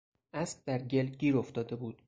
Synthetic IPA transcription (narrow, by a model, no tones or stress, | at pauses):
ʔæsk̚d̪æɾɟe̞lɟiːɾo̞ft̪ɒːd̪e̞buːd̪̥̚